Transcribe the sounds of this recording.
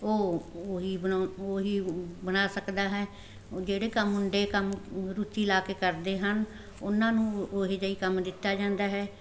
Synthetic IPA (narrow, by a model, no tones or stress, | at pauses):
oːɦiːbəoːɦiːbənaːsəkd̪aːɦɛː | d͡ʒeːɽeːkəmːʊɳɖeːkəmɾut̪ːiːlaːkeːkəɾd̪eːɦən | ʊnãːnũːoɦeːd͡ʒəiːkəmd̪ɪt̪ːaːd͡ʒãːnd̪aːɦɛː